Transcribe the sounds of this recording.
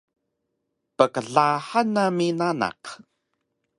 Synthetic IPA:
pəkəɮaħanaminana̰q

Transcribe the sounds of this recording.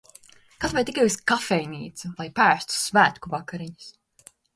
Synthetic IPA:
kasvajt̪ikajuskafɛjniːt̪sulˠajpæːst̪u̥svæːt̪kuvakaɾiɲɨ̥s

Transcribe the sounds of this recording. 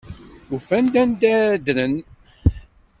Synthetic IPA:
ufænd̪ænd̪æd̪ɾən

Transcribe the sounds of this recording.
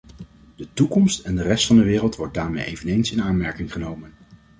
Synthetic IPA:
d̥ətukɔmstɛndərɛstfɑndəʋɪːrəlˠtʋɔɹt̚daːɹmejḛjvənejnsɪnaːnmɛɹkɪŋχənowmən

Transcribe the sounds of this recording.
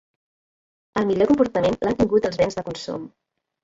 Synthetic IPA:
əlˠmiʎokumpuɾt̪əmenlʔat̪iŋɡut̪əlˠzβɛnzðəkunsṵm

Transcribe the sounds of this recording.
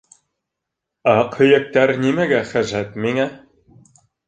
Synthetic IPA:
ɑqhɵ̆jæ̆k̚t̪æɾnimæɡæχæʒæt̪miŋæ

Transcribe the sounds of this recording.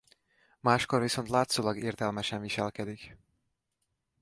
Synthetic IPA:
maːʃkoɾviso̞nt̪laːt̪soːlɒɡeːrt̪ɛlmɛʃɛnviʃɛlkɛd̪ik

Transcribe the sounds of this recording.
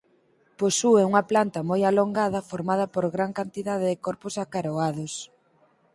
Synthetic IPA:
posuɛuŋɐplant̪ɐmojaloŋɡaðɐfoɾmað̞ɐpoɾɣɾaŋkant̪iðaðɪðɪkɔɾpʊsakaɾoaðos

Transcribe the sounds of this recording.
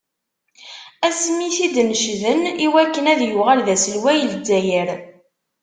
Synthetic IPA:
æsmiθid̪nəʃðəniwækːənæðjuʁælðæsəlwæjəld͡zːæjəɾ

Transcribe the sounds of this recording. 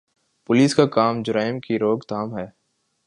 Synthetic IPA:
pʊliːskakaːmd͡ʒʊɾaːɪmkiɾoːɡt̪aːmɦɛː

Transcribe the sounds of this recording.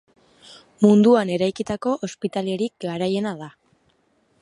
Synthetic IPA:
mund̪uane̞ɾajkit̪ako̞ʔospit̪ale̞ɾik̚ɡaɾaje̞naða

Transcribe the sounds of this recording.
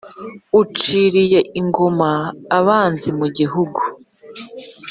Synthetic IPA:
ut͡ʃiːɾije̞iŋɡo̞maːβaːnzimuɟiɦuɡu

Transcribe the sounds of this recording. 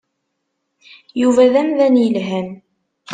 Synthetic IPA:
juvæðæmðænjəlɦæm

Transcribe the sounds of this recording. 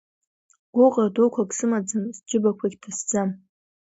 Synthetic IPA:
ɡ̥ʷʊqʼadokʷʰakʼsɨmad͡zanzd͡ʒɪbakʷʰaɡʲtʰasd͡zam

